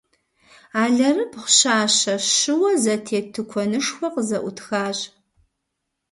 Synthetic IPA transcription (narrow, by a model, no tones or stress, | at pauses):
aːɮɐrɨpχʷɕaːɕɐɕɨwɐzɐtʰeːtʰɨkʷʰɔnɨʂxʷɔqəzɐʔʷʊtʰxaːɕʼ